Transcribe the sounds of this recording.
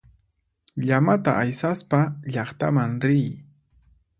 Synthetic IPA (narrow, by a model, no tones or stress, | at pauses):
ʎamat̪a̰ʔajsaspaʎɑχt̪a̰maŋɾɪj